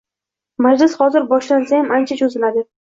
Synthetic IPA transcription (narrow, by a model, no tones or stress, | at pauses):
mad͡ʒlɪshɒzɪɾbɒʃlansajamant͡ʃʰad͡ʒozɪlad̪ɪ